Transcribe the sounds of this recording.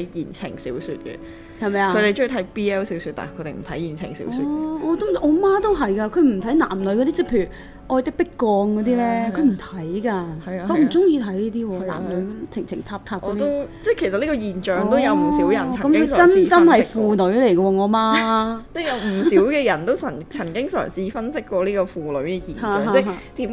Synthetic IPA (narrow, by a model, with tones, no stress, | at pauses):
jiː˨˩nt͡sʰɪ̰˨˩ŋsḭː˨˥wsy̰ː˧t̚kɛ̰˧ | hɐ˨jmɐ˨jaːkʰɵ˧t̪e˨jt͡ʃɵ˥t̪ʰɐ˨˥jpiː˥ɛ˥wsi˨˥wsyː˧t̚t̪a̰ː˨˩kʰt̪e˨˩m̩˨˩t̪ʰɐ˨˥jiː˨˩nt͡sʰɪ̰˨˩ŋsḭ˨˥wsyː˧ɔː˨˧t̪o˥ɔː˨˧maː˥t̪o˥wɦɐ˨jkaː˧kʰɵ˨˧ɥm̩˨˩t̪ʰjna̰ː˨˩mnɵ˨˧ɥk̬ɔ˨˧t̪iː˥t͡sɛ˥pʰe˧jy˨˩ | ʔɔː˧jt̪ɪ˥k̚pɪ˥kːɔː˧ŋkɔː˨˧t̪iː˥lɛː˥kʰɵ˨˧ɥm̩˨˩t̪ʰɐ˨˦˥jkaː˧ɐ˨˧kɔ˨˧m̩˨˩t͡sʊ˥ŋjiː˧t̪ʰɐ˨˥jliː˥t̪iː˥wɔː˧la̰ː˨˩lɵ˨˧ɥt͡sʰɪ˨˩ŋt͡sʰɪ˨˩ŋt̪ʰaː˧p̚t̪ʰaː˧ɔː˧t̪it̪o˥wt͡sɛ˥˩kʰe˨˩jsɐ˨t̚liː˥kɔ˧jiː˨nt͡ʃœː˨ŋt̪o˥wjɐ˨˧wm̩˩si˨˥wjɐ˨nt͡sʰkɐ˨˦mkʰɵ˧t͡sɐ˥nt͡sɐ˥nhɐ˨jfuː˨˧nɵ˨˥ɥlɛ˨˩jkɐ˧wɔː˧ŋɔː˨˧maː˥t͡sɛ˥jɐ˨˧wm̩˨˩siː˨˥wkɛː˧jɐ˨˩nt̪o˥wt͡sʰɐ˨˩t͡sʰɐ˨˩nkɪ˥ŋsœ̰ː˨˩ŋsiː˧˥fɐ˥nsɪ˥kːwɔː˧liː˥kɔ˧fuː˨˧lɵ̰˨˧ɥkɛ˧jiː˨naː˧˨ɦa˧t͡sɛ˥ɦaː˧t̪i˨˥m